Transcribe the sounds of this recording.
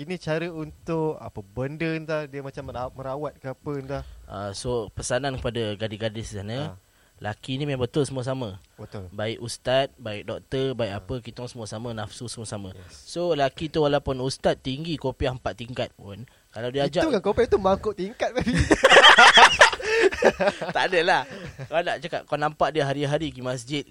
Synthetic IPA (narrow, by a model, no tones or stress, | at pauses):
inĩt͡ʃaɾəunt̪ʊka̰pəbəndənt̪ahdiəmat͡ʃamːməɾawat̪̚kəapənt̪aʔasopəsanãnkəpadaɡadiɡadɪsisanə̃ | lʔakinimãbət̪ʊlsəmuas̬amabət̪ʊlbaɪkust̪at̪̚baɪk̚dɔk̚t̪əbaɪkapəkit̪ɔŋsəmuasamanafsusəmuasamãsolakit̪uwalawpʊnust̪at̪ːiŋɡikopiaəmpaʔ̪t̪ːiŋkat̪̚pʊn | kalawdiad͡ʒakankopiat̪umaŋkʊʔt̪iŋkat̪̚mabi | t̪aʔdəlahkanaʔt͡ʃakaʔ̚kanampaʔdiəɦaɾiɦaɾikimas̬d͡ʒɪt̪̚